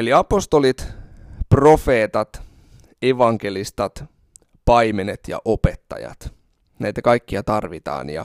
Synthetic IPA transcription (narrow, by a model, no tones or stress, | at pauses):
oliɑpost̪olit̪profeːt̪ɑt̪ | eʋɑŋk̟elist̪ɑt̪ | pɑijmenet̪jɑ̰ʔopet̪ːɑ̰jɑ̰t̪ | næit̪ækɑikːiɑt̪ɑrʋit̪ɑ̰ːnjɑ̰